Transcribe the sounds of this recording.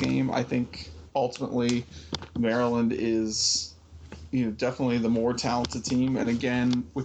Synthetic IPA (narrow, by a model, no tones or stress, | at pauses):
ɡ̥ḛ̃ɪ̃ma̰ɪθɪ̃ŋkʌlˠtəmə̰ʔˡlimɛɹəlˠə̃ndɪz̥ | jɨnoʊdɛfənətˡliðəmɔɹtʰælˠə̃ntʰɨd̚tʰĩmɨ̰̃nɨɡɛ̃nwɨ